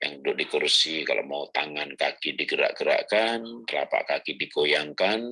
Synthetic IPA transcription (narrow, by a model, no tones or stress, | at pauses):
ja̰ŋudʊk̚dikursika̰lʔo̰ʔmaut̪aŋankakidiɡəɾa̰ʔɡəɾa̰kant̪əla̰pa̰ʔkakidikojaŋkan